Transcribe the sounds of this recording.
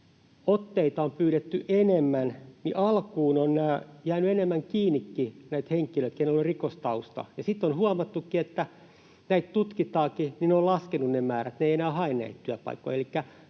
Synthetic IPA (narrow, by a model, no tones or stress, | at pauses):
ot̪ːeit̪ɑompyːɾet̪ːyʔenemːænnḭʔɑlkuːnonnæːjæːnyenemːæŋkiːnːˑikːinæit̪heŋkiløit̪keinelorikost̪ɑust̪ɑ̰jɑsit̪ːonhuɑmɑt̪ːukːiet̪ːæ | næit̪t̪ut̪kit̪ɑːkinineolɑskenunnemæːræt̪neijenæːhɑennæ̰it̪t̪yæpɑ̰ikːˑo̰ielikːæ